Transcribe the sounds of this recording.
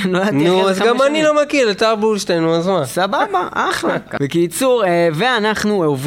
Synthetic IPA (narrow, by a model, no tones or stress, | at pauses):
loanuazɡamanilomakiʁlet̪aʁbulʃlenuazmasababaʔaχlab̥ekit͡suʁeveanaχnuov